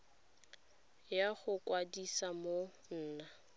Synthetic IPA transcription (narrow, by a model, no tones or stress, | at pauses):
jaχʊkwadisamo | n̩ːna